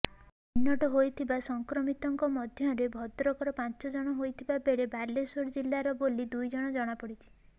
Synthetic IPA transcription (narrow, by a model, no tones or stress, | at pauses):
ninːɔʈɔɦojt̪ʰibasɔŋkɾɔmit̪ɔŋkɔmɔd̪ʱjɔɾebʱɔd̪ɾɔkɔɾɔpãnt͡ʃɔd͡ʒɔɽ̃ɔɦojt̪ʰibabeɽebʱalesoɾd͡ʒilːaɾɔbolid̪ujd͡ʒɔɽ̃ɔd͡ʒɔɽ̃apɔɽit͡ʃʰi̥